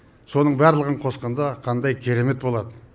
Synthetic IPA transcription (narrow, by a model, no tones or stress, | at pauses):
so̞nəɴbæɾlˠəʁəɴqʰo̞sqɑnd̪ɑqʰɑnd̪ɑjkʲʰe̞ɾe̞me̞t̪bo̞lˠɑd̪ə